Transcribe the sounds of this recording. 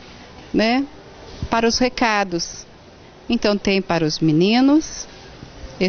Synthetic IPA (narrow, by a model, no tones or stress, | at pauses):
nɛ | paɾɐʊshekad̪ʊs | ẽnt̪ɐ̃w̃t̪ẽj̃paɾɐʊzminĩnʊs | e